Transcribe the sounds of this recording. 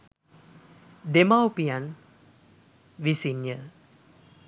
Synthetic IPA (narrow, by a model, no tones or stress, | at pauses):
d̪emawpijan | ʋisinjə